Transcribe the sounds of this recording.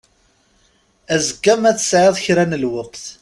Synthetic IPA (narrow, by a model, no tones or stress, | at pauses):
æzəɡːæmæθə̥sʕɪðˤçɾænəlwəqθ